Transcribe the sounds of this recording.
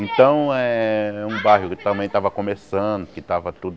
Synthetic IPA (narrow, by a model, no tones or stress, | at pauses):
ẽt̪ɐ̃w̃ɛũbaɦʊkɪt̪ɐ̃mbẽj̃t̪avɐkõmesɐ̃d̪ʊkɪt̪avɐt̪ud̪